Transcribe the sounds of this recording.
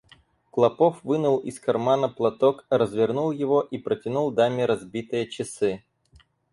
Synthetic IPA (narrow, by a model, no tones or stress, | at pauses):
klˠɐpofvɨnʊlˠɪ̰skɐrmanəplˠɐt̪okɾəzvʲɪrnulˠjɪvo̞ʔipɾətʲɪnulˠd̪amʲɪɾɐzbʲit̪ɨjət͡ɕɪsɨ